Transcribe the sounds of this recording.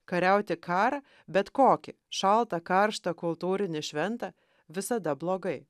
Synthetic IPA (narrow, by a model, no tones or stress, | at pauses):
kɐɾʲæʊt̪ʲɪkɑːɾɐ | bʲɛt̪koːkʲɪ | ʃɐlˠt̪ɐkɐɾʃt̪ɐkʊlˠt̪uːɾʲɪnʲɪʃʲʋʲɛnt̪ɐ | ʋʲɪsɐd̪ɐblˠoːɡɐɪ